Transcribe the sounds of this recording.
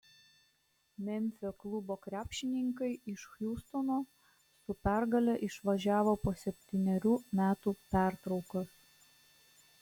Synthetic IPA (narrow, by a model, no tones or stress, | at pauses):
mʲɛmʲfʲoːklˠʊboːkɾʲæːpʲʃʲɪnʲɪŋkɐɪɪʃxjʲuːst̪ɔnoː | sʊpʲæˑɾɡɐlʲɛʔɪʃʋɐʒʲæːʋoːpoːsʲɛpʲt̪ʲɪnʲɛɾʲuːmʲæːt̪uːpʲæˑɾt̪ɾɒʊkɐs